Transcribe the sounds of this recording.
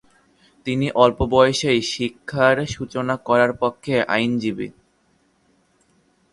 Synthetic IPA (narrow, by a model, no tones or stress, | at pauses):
t̪iniʔɔlpobɔjʃejʃikʰːaɾʃut͡ɕonakɔɾaɾpokʰːeʔa̰jnd͡ʑibḭ